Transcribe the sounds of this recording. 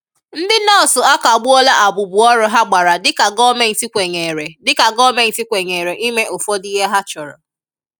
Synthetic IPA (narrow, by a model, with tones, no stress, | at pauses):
n̩˦dɪ˦nɔ˦ɔ˨sʊ˨a˦ka˨ɡ͡bʊ˦ɔ˦la˦ʔa˨bʊ˨bʊ˨ɔ˦ɾʊ˦ɦa˦ɡ͡ba˨ɾa˨dɪ˦ka˨ɡɔ˦me˦n̩˨ti˦kʷe˨ŋe˨ɾe˨dɪ˦ka˨ɡɔ˦me˦n̩˨ti˦kʷe˨ŋe˨ɾe˨ʔi˦me˦ʔo˨fɔ˦di˦ɦe˦ɦa˦t͡ʃɔ˨ɾɔ̰˨